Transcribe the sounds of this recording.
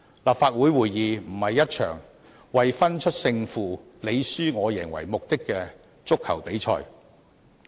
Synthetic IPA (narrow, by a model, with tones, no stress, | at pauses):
laː˨pfaː˧t̚wuː˨˥jwuː˨˩jjiː˨˧m̩˨˩hɐ˨jːɐ˥t̚t͡ʃʰœ̰ː˨˩ŋ | wɐ˨jfɐ˥nt͡ʃʰɵ˥t̚sɪ˧ŋfuː˨˩ | le˨˧jsyː˥ŋɔː˨˧jɪ˨˩ŋwɐ̰˨˩jmʊ˨k̚t̪ɪ˥kːɛ˧ | t͡sʊ˥kʰːɐ̰˨˩wpe˨˥jt͡ʃʰɔ̰ː˧j